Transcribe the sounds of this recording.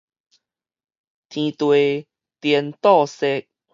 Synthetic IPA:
t̪ʰĩ˨t̪we˨ | t̪jɛ˨˩nt̪ɔ˥˧se˧˦k̚

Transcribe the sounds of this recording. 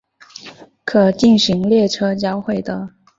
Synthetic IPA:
kʰɤ˨˩t͡ɕi˥˩nɕi˧˥ŋljɛ˥˩ʈ͡ʂʰɤ˥t͡ɕjɑ˥ʊxwe˥˩ɪd̪ə˦

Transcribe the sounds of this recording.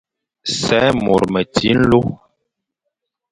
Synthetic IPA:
sɛ˨˦mo˨ɾmə˨ti˦n̩˦lo˦

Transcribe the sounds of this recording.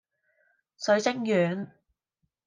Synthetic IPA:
sɵ˨˧ɥsɪ˥ŋjyː˨˧n

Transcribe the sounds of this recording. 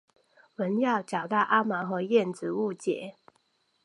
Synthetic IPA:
wə˨˦njɑ˥˨ʊt͡ɕɑ˨˩ʊt̪ɑ˥˨ʊʔa˦˥ma˨˦xɤ˨˧˦jɛ˥˨nt͡sɹ̩˨˦u˥˨˩t͡ɕjɛ̰˨˩˦

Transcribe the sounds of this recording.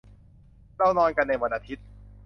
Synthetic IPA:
ɾa˧wnɔː˧nka˧nːa˧jwa˧nʔaː˧˩t̪ʰi˦˥t̪̚

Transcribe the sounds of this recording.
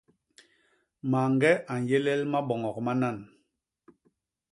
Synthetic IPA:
ma˨ŋɡɛ˦ʔa˨n˨jɛ˦lɛ˦lma˦ɓɔ˨ŋɔ˨k̚ma˦na˦˨n

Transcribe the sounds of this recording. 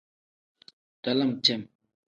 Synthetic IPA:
t̪a˩˨la˥˨mt͡ɕe˥˨m

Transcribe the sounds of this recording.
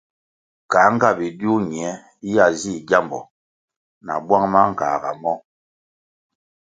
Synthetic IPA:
ka˨˦ŋ̩˦ɡa˦bi˨du˦ɲi˨ɛ˨˦ | i˦ja˦˨zi˦˨ɟa˦mbɔ̰˨ | na̰˨bwa˦ŋma˦ŋ̩˨ka̰ː˨ɡa̰˨mɔ˦

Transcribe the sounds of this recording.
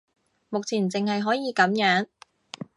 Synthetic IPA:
mʊ˨k̚t͡sʰiː˨˩nt͡sɪ˨ŋhɐ˨jɦɔː˨˥jiː˨˧kɐ˨˥mjœː˨˥ŋ

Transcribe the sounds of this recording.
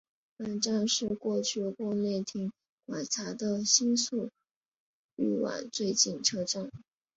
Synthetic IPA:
pa˨˩nʈ͡ʂa˥˧nʂɻ̩˥˧kwɔ˥˧t͡ɕʰy˥˧kwɔ˥˧ne˥˩ɪt̪ʰi˧˥ŋ | kwa˨˩nt͡sʰa˧˥d̪ə˧ɕi˥nsu˥˩ | y˥˩wa̰˨˩˦nt͡swe˥˧ɪt͡ɕi˥˩nʈ͡ʂʰɤ˥˧ʈ͡ʂa˥˩n

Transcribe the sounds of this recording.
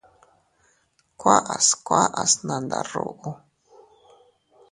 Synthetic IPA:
kʷʰa˦ʔa˨skʷa˦ʔa˨sna˨nd̪a˨ro̰ʔu˦

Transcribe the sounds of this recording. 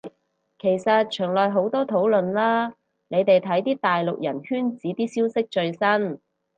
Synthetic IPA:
kʰe˨˩jsɐ˨t̚t͡ʃʰœː˨˩ŋlɔː˨jɦo˨˥wt̪ɔː˥t̪ʰo˨˥wlɵ˨nlaː˥ | ne˨˧jt̪e˨jt̪ʰɐ˨˥jt̪iː˥t̪aː˨jlʊ˨k̚jɐ˨˩nhyː˥nt͡siː˨˧˥t̪iː˥siː˥wsɪ˥k̚t͡ʃɵ˧ɥsɐ˥n

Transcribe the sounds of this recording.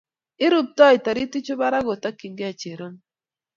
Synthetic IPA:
ɪ˦ɾu˦p̚tɔ˦i˨ta˨ɾi˦ti˦t͡ʃo˦ba˦ɾa˦ɡo˨ta˦ki˨ŋɡe˦a˨t͡ʃe˨ɾo˦n

